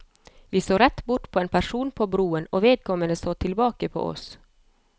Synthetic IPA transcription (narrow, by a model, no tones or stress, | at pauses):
ʋiːsoːɾɛt̪ːbʊʈpʰoːeːnpʰæʂuːnpʰobɾuːənoːʋeːd̪̚kʰɔmənəsoːt̪ʰɪlbɑːkəpʰo̰ːʔɔ̰s